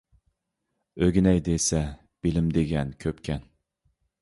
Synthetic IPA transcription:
øɡʲinɛjd̪esɛ | b̥ɪlɪmd̪eɡʲɛnkʲʰøpkʲʰɛn

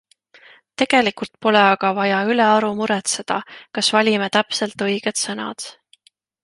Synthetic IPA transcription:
t̪e̞ɡ̥e̞likult̪̚po̞leɑɡ̥ɑvɑjɑyle̞ɑɾumuɾɛt̪se̞d̪̥ɑkɑsvɑlʲimet̪æpselt̪ɤjɡ̥ed̪̥sɤnɑ̰d̪̥

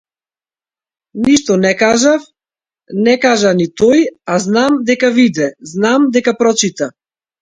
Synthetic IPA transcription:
niʃt̪ɔnɛkaʒaf | nɛkaʒanit̪ɔjaznamd̪ɛkavid̪ɛznamd̪ɛkapɾɔt͡ʃit̪a

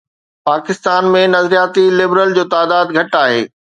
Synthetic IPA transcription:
paːkɪst̪aːnmẽnɐzɾijaːt̪ilɪbɾəld͡ʑoːt̪aːd̪aːd̪ɡʱɐʈaːɦḛː

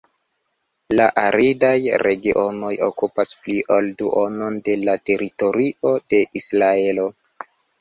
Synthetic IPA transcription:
laʔaɾʔidajɾe̞ɡiʔo̞no̞jo̞̰kupaspliʔolduʔono̞nde̞late̞ɾito̞ɾiʔo̞d̥e̞ʔisɾae̞lo̞

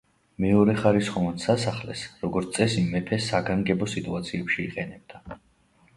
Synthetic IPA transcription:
mɛɔɾɛχaɾisχɔvansasaχlɛ̰sɾɔɡɔɾt̪sʼɛsimːɛpʰɛsːaɡaŋɡɛbɔsit̪ʼuat̪sʰiɛpʃiːqʼɛnɛb̚d̪a

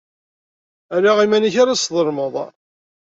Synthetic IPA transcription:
æɾaʁimænəçaɾasðˤəɾˤməðˤ

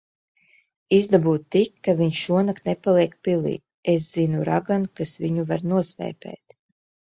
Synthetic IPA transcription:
izd̪abuːt̪t̪ːikːaviɲʃuɔnakt̪nɛpalˠiɛk̚pilˠḭː | es̬z̥inuɾa̰ɡankasviɲuvaɾnuɔsvɛ̰ːpʲɛ̰ːt̪

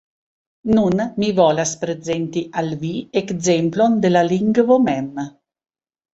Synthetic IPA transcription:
nunmivɔlaspɾed͡zent̪iʔalviekzemplond̪elaliŋɡvomɛm

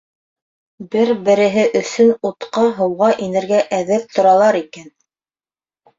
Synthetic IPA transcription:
bɘɾbɘ̆ɾɘ̆ɦɘʔɵ̆θɵnut̪qɑɦɤ̆wʁɑʔinɘ̆ɾɡæʔæðɘp̚t̪ʰŏɾɑlˠɑɾikæn

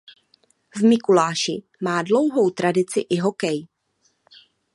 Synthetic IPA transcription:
vmɪkulaːʃɪ | maːdlo̞wɦowt̪ɾʔadɪt͡sɪʔɪɦo̞kɛj

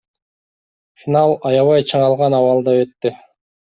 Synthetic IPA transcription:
fʲinɑlˠɑjɑβɑjt͡ʃʰɯɴɑlˠʁɑnɑwɑlˠd̪ɑβet̪ːi

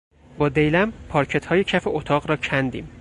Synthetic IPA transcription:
bɒːd̪ejlæmpʰɒːɾcʰet̪ʰhɒːjecʰæfeʔot̪ʰɒːɣɾɒːcʰænd̪ḭːm

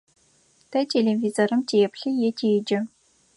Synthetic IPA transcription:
tʰɐtʰelevizorɨmtʰeːɛpɬɨjɛtʰeːd͡ʒɐ

